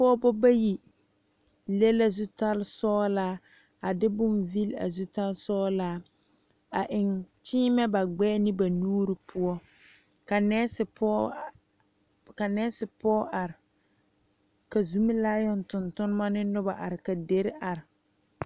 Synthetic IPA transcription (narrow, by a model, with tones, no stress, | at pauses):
pɔː˦bɔ˦ba˦ji˨ | le˦la˦zu˦ta˦lsɔː˦laː˦ | a˨dɪ˦bʊ˦mvi˦la̰˨zu˦ta˦lsɔː˦laː˦ | a˨ʔɪ˨ŋt͡ʃɪː˦mɛ˦ba˨ɡ͡bɛː˦nɪ˦ba˨nuː˦ɾi˨pʰʊ˦ɔ˦ | ka˨nɛ˦sɪ˨pɔ˦ | ka˨nɛ˦sɪ˨pɔː˦ʔa˨ɾɪ˨ | ka˨zu˦mɪ˦laː˦jɔ˨ntʊ˨ntʊ˦n˦ma˦nɪ˦nʊ˦ba˨ʔa˨ɾɪ˨ka˨de˦ɾa˨ɾɪ˨